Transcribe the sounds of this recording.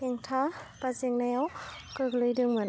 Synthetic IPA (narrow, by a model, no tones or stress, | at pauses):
eŋtʰapazeŋnajawkɯɡlɯjdɯŋmɯn